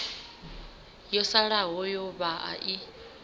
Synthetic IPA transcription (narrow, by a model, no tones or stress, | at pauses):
jɔsaɺaɦɔjɔβaʔa̰ʔi